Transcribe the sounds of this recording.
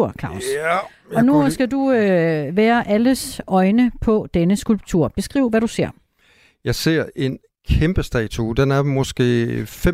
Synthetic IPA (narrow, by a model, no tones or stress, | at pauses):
ɐ̰kʰɑ̰̈ːs | ɒ̽nusɡ̥æduøʋæːɐʔæləsɒ̽ɪnəpʰɒ̽d̥enəsɡ̥ulb̥̚t͡sʰṵɐ̰b̥e̝sɡ̥ʁḭːʊʋæɾuse̝ɐ̰ | jɑ̈ɪse̝ɐ̰e̝n | kʰemb̥əsd̥ɛ̰ːt͡sʰud̥enæɐmɒ̽sɡ̥e̝̰ːfe